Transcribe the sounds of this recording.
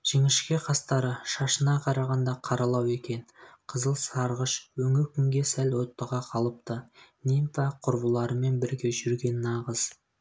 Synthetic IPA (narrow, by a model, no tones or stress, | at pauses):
ʒ̥eŋɪʃkʲe̞qʰɑst̪ɑɾəʃɑʃənɑqʰɑɾɑʁɑnd̪ɑqʰɑɾɑlˠɑwe̞kʲe̞nqʰəzəlˠsɑɾʁəʃwɵŋɪɾkʲʰʏŋɡʲe̞sælwo̞t̪ːəʁɑqʰɑlˠəp̚t̪ənint̪ɑqʰʊɾbəlˠɑɾəme̞nbɪɾɡʲe̞ʒʏɾɡʲe̞nːɑʁəz̥